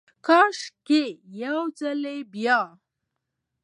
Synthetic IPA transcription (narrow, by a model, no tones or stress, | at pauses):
kɑʃkejawd͡zalebjɑ